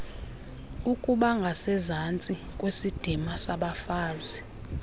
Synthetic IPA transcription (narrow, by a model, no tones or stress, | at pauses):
ukʼuɓaŋɡʱasɛzant͡sʼikʼwesid̥ʱimasaɓafaːzi